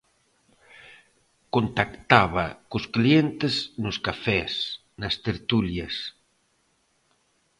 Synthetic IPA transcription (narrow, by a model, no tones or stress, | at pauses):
kont̪akt̪aβɐkʊsklient̪eznʊskafɛs | nast̪eɾt̪uljɐs